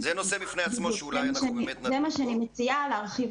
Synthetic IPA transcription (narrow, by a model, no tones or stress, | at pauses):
zenosebifnejamoemaʃeanizemaʃeɛanimet͡sialːʁχiv